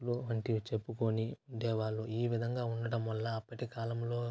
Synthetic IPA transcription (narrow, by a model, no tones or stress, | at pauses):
luɐɳʈit͡ʃe̞pːuko̞niuɳɖ̪eːʋaːɭːuiːʋid̪ʱɐŋɡaːuɳɖɐʈɐmʋɐlːɐːpːɐʈikaːlɐmlo̞ː